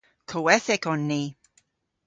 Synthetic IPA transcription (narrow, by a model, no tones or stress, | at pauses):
kʰowɛθɪkɔnːiː